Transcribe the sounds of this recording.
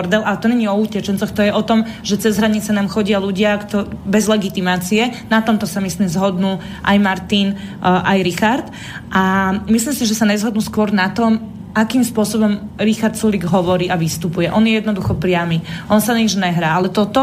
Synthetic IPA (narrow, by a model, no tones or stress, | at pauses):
ɾd̪ɛlʔaɛt̪ɔɲɛɲiɔucɛt͡ʃɛnt͡sɔxt̪ɔjɛʔɔt̪ɔmʒɛt͡sɛzɦɾaɲit͡sɛnaːmxɔɟɪaluɟɪakt̪ɔbɛzlɛɡit̪imaːt͡siɛnat̪ɔmt̪ɔsamislimzɦɔd̪nuː | ʔajmaɾt̪inʔajɾixaɾt̪ | ʔamislimsiʒɛsaɲɛzɦɔd̪nuːskʊɔɾnat̪ɔm | ʔakiːmspʊɔsɔbɔmɾixaɾt̪suliɡɦɔʋɔɾiːʔaʋist̪upujɛʔɔnjɛjɛd̪nɔd̪uxɔpɾɪamiʔɔnsaniʒɲɛɦɾaːalɛt̪ɔt̪ɔ